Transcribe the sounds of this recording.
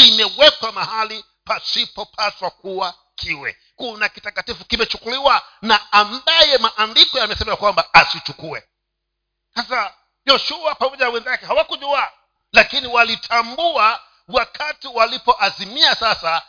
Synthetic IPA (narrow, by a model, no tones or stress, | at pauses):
imɛwɛkwamahali | pasipɔpʰaswak̚uwa | kʰiwɛ̰ | kunakitatkatifukimɛt͡ʃukuliwanaːmbajɛmaʔandikɔjamɛsɛɛmaakwambaasit͡ʃukuɛ | sasa | jɔʃuapamɔɟʄanawɛnzakɛhawakuʄua | lakiniwalitʰambua | wakʰatiwalipɔʔazimiasasa